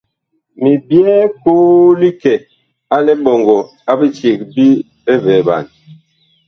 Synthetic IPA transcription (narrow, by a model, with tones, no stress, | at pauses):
mi˨bjɛ˦koː˦li˦kɛ˨ | a˦lɛ˦bɔ˨ŋɡɔ˨ | a˦bi˦t͡ʃe˨k̚bi˦ | e˦vɛː˨ba̰˨n